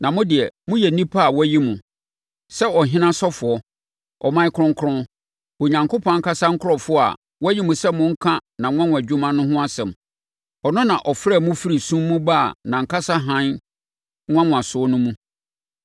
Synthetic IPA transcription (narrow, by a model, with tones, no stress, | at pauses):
nã˨mʊ̃˦dɪ˨ɛ˨mʊ̃˦jɛ˨nĩ˦pʰa˦a˨wɔ˦ji˦mũ˨ | sɛ˦ɔ˨ɦɪ̃˦nã˦sɔ˦fʊ˨ɔ˦ | ʔɔ̰˨mã˦ɪ˦kʰʊ˦ɾʊ̃˦ŋ˦kʰʊ˦ɾʊ̃˦ | o˨ɲã˨ŋkʰo˦pʰɔ̃˨˦ŋ̩˦ka˦sa˦ŋ̩˦kʰʊ˦ɾɔ˨fʊ˦˨a̰˨ | wɔ˦ji˦mũ˨sɛ˦mʊ̃˦ŋ̩˦kʰã˦nã˨ŋ̃ʷ˦ã˦ŋʊ̃˨æ˨d͡ʑᶣu˦mã˦nʊ̃˦ɦʊ̃˦a˦sɛ̃˨m | ɔ˨nʊ̃˦nã˨ʔɔ˨fɾɛː˦˨mʊ̃˦fi˦ɾi˨sũ˦mːũ˦baː˦˨nã˨ŋ̩˨kʰa˦sa˦ɦã˦n˦ | ŋ̃ʷ˦ã˦ŋʊ̃˨a˨sʊ˦nʊ̃˦mũ˦